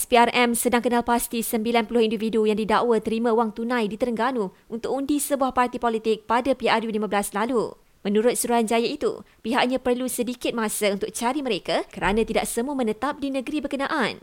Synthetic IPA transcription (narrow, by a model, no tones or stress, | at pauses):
spiarɛmsədaŋkənalpast̪isəmbilanpulʊhindividujaŋdidaʔwət̪əɾimãuwaŋt̪unãjdit̪əɾəŋɡanu | unt̪ʊk̚undisəbuahpart̪ipolit̪ɪk̚padapiarjulimãblaslalu | mə̃nuɾʊt̪̚suɾuɦand͡ʒajait̪ṵ | piɦaʔɲãpərlusədikɪt̪̚mãsaunt̪ʊk̚t͡ʃaɾiməɾekakəɾanãt̪ida̰ʔsəmuəmə̃nət̪ap̚dinə̃ɡɾibəkənãʔan